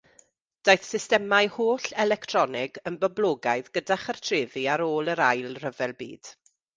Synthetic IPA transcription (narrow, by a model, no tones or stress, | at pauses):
d̥ajθsɪstɛmajhoːɬɛlɛktʰrɔnɪɡənbəblˠoːɡaɨðɡədaχartʰreːviaɾoːlˠəɾajlˠrəvɛlˠbḭːd̥